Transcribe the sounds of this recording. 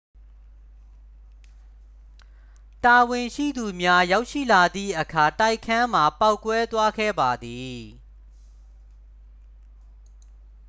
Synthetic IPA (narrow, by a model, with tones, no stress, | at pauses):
ta˨wɪ̃˨ʃḭ˦˨d̪u˨mja˦ja˦ʊʔʃḭ˦˨la˨d̪ðḭ˦˨ʔəkʰa˨ta˦˨ɪʔkʰːã˦m̥a˨pa˦ʊkwɛ˦t̪wa˦ɡɛ̰˦˨ba˨d̪i˨